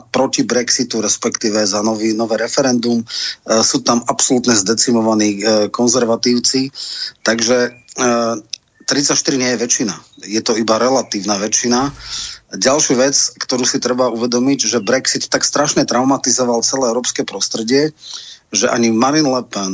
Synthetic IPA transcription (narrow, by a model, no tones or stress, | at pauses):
pɾɔcibɾɛksit̪uɾɛspɛkt̪iːʋɛzanɔʋinɔʋɛːɾɛfɛɾɛnd̪umsuːt̪amapsɔlut̪ɲɛzd̪ɛt͡simɔʋaniːkɔnzɛɾʋat̪iːʊt͡sit̪aɡʒɛ | t̪ɾit͡sacʃt̪iɾiɲɪɛjɛʋɛt͡ʃinajɛt̪ɔibaɾɛlat̪iːʊnaʋɛt͡ʃina | ɟalʃuʋɛt͡skt̪ɔɾuːsit̪ɾɛbauʋɛd̪ɔmiɟʒɛbɾɛksit̪ːakst̪ɾaʃɲɛt̪ɾaʊmat̪izɔʋalt͡sɛlɛːɛʊɾɔːpskɛpɾɔst̪ɾɛɟɪɛ | ʒɛʔa̰ɲimaɾinlɛpɛn